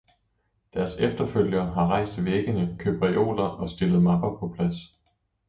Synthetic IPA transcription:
d̥æɐsefd̥ɐføl̰jɐːɦɑ̈ʁɑ̈ɪ̰sd̥ʋeɡ̥ənəkʰøb̥ʁæʔo̝̰ːlɐʔɒ̽sd̥e̝lð̞̩ˠmɑ̈b̥ɐpʰɒ̽pʰlæs

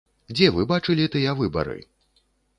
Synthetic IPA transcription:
d͡zʲɛvɨbat͡ʂɨlʲit̪ɨjɛvɨbɐ̰ɾɨ̰

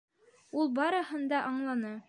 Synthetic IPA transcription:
ulˠbɑɾɤ̆hɤ̆nd̪ɑʔɑɴlˠɑnɤ

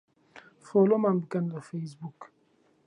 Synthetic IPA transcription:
folomambkand̪əfes̬buk

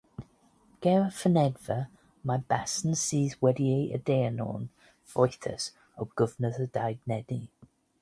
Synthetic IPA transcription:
ɡ̥ɛɹəfənɛdvə | majb̥asn̩siːzwɛdieɪə̰dɛənɔ̰n | fɔjθə̰s | əwɡ̥ʊvənəðədajɡnɛdi

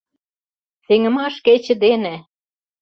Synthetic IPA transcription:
seŋə̆mɑʃket͡ɕɘ̆d̪enĕ

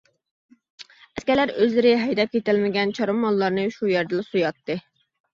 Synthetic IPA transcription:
ɛskʲɛlæɾøzlɪɾɪɦɛjd̪ɛp̚kʲʰet̪ɪlmɪɡʲɛnt͡ʃʰɑɾɨmːɑlˠːɑɾnɨʃujɛɾd̪ɛsujɑt̪ːɨ

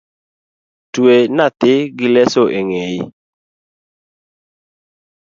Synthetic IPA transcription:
twenat̪ɪɡɪlɛsoʔeŋejɪ

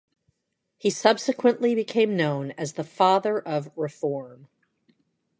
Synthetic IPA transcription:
hisʌb̥sɨkʰwə̃nʔlibɨkʰẽɪ̃mnõʊ̃nɨzðəfɑðə˞ʔʌvɹɨfɔɹm

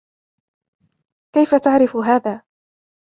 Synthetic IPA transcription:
kajfat̪aʕɾɪfʊɦaːðaː

